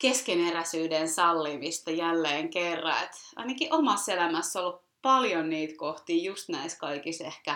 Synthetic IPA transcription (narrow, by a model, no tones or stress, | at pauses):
keskeneræsyːdensɑlːimist̪ɑjælːeːŋkerːɑet̪ɑ̰inɑkiʔomɑsːelæmæsːolːup | pɑljonniːt̪koht̪iːjust̪næiskɑikisehkæ